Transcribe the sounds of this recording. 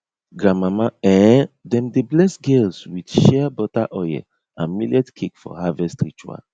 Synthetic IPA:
ɡɹãmamaɛ̃dɛ̃mdeblɛsɡɛlswid̥ʃɛabɔtaʔɔjɛ̰ | ã̰nmiljɛdkʰekfɔ̰havɛstɾit͡ʃua̰

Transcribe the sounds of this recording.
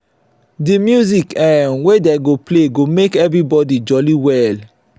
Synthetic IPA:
dimjuzikɛnwedeɡopleɡomekɛvɾibɔdid͡ʒɔliwɛl

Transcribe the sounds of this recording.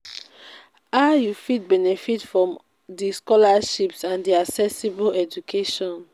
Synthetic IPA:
ajufit̚bɛnɛfitfɹɔ̃m | diskɔlaʃipsãndiaksɛsibolɛd͡ʒukʰeʃɔ̃n

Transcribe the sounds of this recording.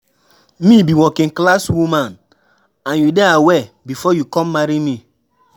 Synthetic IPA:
mibiwɔkĩŋklaswumãn | ãnjudeawɛ | bifɔjukɔ̃mːaɾimi

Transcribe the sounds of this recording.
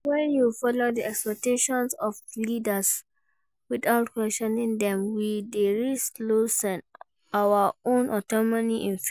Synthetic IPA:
wɛ̃njufɔlodiɛkspɛk̚teʃɔ̃nsɔflidəs | wiθaʊtkwɛstɔnĩŋdɛ̃mwideɹislosɛ̃n | awəõnʔɔtɔmoniʔĩnf

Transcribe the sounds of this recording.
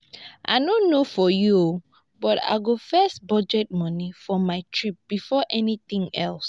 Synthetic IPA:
ʔa̰ɪdõnːofɔjuo | bɔta̰ɪɡofɛstbɔd͡ʒɛt̚mɔ̃nifɔmaɪtʰɹip̚b̥ifɔʔɛnit̪ĩŋɛ̰ls

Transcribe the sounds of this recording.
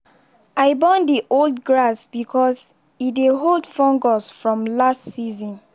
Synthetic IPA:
aɪbɔ̃ndiʔoldɡɹasbikʰɔs | ideɦoldfɔ̃ŋɡɔsfɹɔ̃mlastsizɔ̃n

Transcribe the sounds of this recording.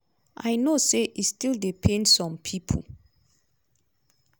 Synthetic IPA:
ʔajnoseʔistildepʰẽnsɔ̃mpʰipʰo̰l

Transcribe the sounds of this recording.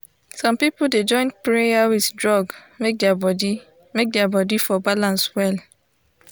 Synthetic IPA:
sɔ̃mpiplded͡ʒɔ̃ɪ̃npɹejawiðdɹɔɡ | mek̚dɛabɔdi | mek̚dɛabɔdifɔbalãnswɛl

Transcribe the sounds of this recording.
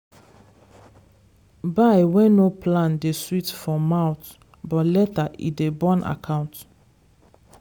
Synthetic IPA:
baɪwɛ̃noplãndeswitfɔ̃mawt | bɔtlɛtaʔḭdebɔ̃nʔa̰kʰãʊ̃nt

